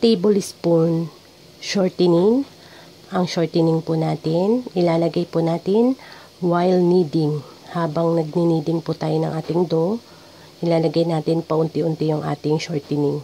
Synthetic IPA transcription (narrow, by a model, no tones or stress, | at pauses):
t̪ejbolɪspun | ʃoɹt̪ɪnɪŋ | ʔɐŋʃoɹt̪ɪnɪŋpʊnaːt̪ɪnʔɪlaːlɐɡajpʊnaːt̪ɪn | wajlniːd̪ɪŋ | haːbɐŋnɐɡ̚niniːd̪ɪŋpʊt̪aːjonɐ̰ŋʔaːt̪ɪŋd̪o | ʔɪlaːlɐɡajnaːt̪ɪnpɐʔʊnt̪ɪʔʊnt̪ɪjʊŋʔa̰ːt̪ɪŋʃoɹt̪ɪnɪŋ